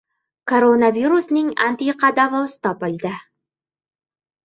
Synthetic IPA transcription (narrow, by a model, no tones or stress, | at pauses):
kʰoɾonaviɾusnɪŋa̰nt̪iqɑd̪avɒsɪ̥t̪ɒpɨlˠd̪ɪ